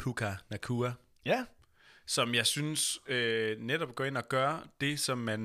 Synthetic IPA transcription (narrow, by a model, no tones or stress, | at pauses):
pʰukʰænækʰuːɐ | jæ | sɒ̽mjɑ̈ɪsynsøneɾ̥ɒ̽b̥̚ɡ̥ɒ̰e̝nɒ̽ɡ̥ɶɐd̥e̝sɒ̽mːæn